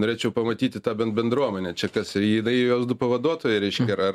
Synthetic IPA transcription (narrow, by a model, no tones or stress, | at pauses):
noːɾʲeːt͡ʃʲɛʊpɐmɐt̪ʲiːt̪ʲɪt̪ɑːbʲɛnbʲɛnd̪ɾuɔmʲɛnʲɛt͡ʃʲɛkɐsɪɪnɐɪjoːsd̪ʊpɐʋɐd̪uɔt̪oːjɛɪɾʲɛɪʃʲkkʲɛɐɾɐr